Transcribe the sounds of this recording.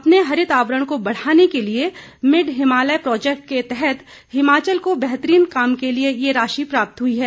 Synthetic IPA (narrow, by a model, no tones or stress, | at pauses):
ɐpneɦɐɾɪt̪aːʋɾəɽ̃kobɐɽ̤aːnekeliemɪɖɦɪmaːləjpɾɔːd͡ʒɛːkʈ̚ket̪ɛɦɛt̪ | hɪmaːt͡ʃəlkobɛɦt̪ɾiːnkaːmkeliejeɾaːʃipɾaːp̚t̪ɦʊiɦɛː